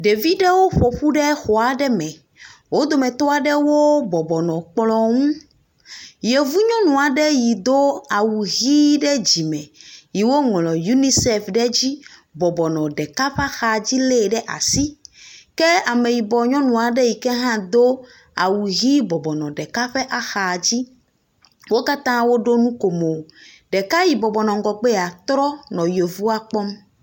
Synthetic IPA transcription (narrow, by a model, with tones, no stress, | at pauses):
ɖe˨vi˦ɖɛ˦wo˦ɸɔ˨ɸu˦ɖɛ˦xo˨a˨ɖɛ˦mɛ̃˨ | wo˦d̪o˦mɛ̃˨t̪ɔ˦a˨ɖɛ˦wo˦bɔ˨bɔ˨nɔ̃˨k͡plɔ̃˦ŋũ˦ | je˨vu˦ɲɔ̃˦nũ˨a˨ɖɛ˦ji˨d̪o˦a˨wu˨ɣi˦ɖɛ˦d͡ʑi˨mɛ̃˨ji˨wo˦ŋlɔ̃˨ju˦ni˦se˨fɖɛ˦d͡ʑi˦bɔ˨bɔ˨nɔ̃˨ɖɛ˨ka˦ɸa˦xa˨d͡ʑi˦le˦˨ɖɛ˦ʔa̰˨si˦kɛ˦a˨me˨ji˨bɔ˨ɲɔ̃˦nũ˨a˨ɖe˦ji˨kɛ˦ɦã˦d̪o˦ | a˨wu˨ɦi˦bɔ˨bɔ˨nɔ̃˨ɖɛ˨ka˦ɸɛ˦ʔa˦xa˨d͡ʑi˦ | wo˦ka˦t̪ã˦wo˦ɖo˦nũ˦ko˨mo˨ | ɖɛ˨ka˦ji˨bɔ˨bɔ˨nɔ̃˨ŋ˨ɡɔ˨ɡ͡be˦a˨t̪ɾɔ˦nɔ̃˨jo˨vu˦a˦k͡pɔ˦m